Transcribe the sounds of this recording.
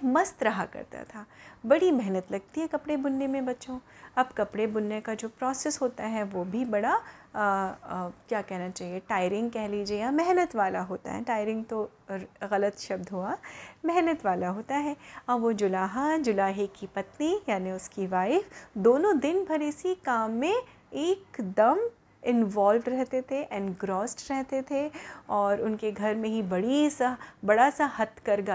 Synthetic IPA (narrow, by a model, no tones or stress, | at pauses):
mɐst̪ɾɐɦakɐ̰ɾt̪a̰t̪ʰaːbɐɽimɛɦnət̪lɐɡ̚t̪iɦɛkɐpɽebʊnːemẽbɐtːʃõɐbkɐpɽebʊnːekad͡ʒoːpɾɔːsɛsɦoːt̪aɦɛʋobʱibɐɽa | kjaːkɛɦnat͡ʃaːɦieʈaːɪɾɪ̃ŋɡ̚kɛɦliːd͡ʒeaːmɛɦnət̪ʋaːlaɦoːt̪a̰ɦɛ̰ʈaːɪɾɪ̃ŋɡ̚t̪o | ɣɐlət̪ʃɐb̚d̪ɦuamɛɦnət̪ʋaːlaɦoːt̪aɦɛɐbʋod͡ʒʊlaːɦad͡ʒʊlaːɦekipɐt̪nijaːniʊskiʋaːɪfd̪oːnõd̪ɪnbʱɐɾɪsikaːmːẽ | eːkd̪ɐm | ɪnʋaːlʋɖɾɛɦt̪et̪ʰeʔɛnɡɾɔːsʈɾɛɦt̪et̪ʰeɔːɾʊnkeɡʱɐɾmẽɦibɐɽisabɐɽasahɐt̪kɐɾɡa